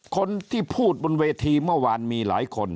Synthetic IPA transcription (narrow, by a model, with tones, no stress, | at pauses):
kʰo˧nt̪ʰiː˥˩pʰuː˥˩t̪̚bo˧nweː˧t̪ʰiː˧mɯ˥˩əwaː˧nmiː˧la̰ː˩˦jkʰo˧n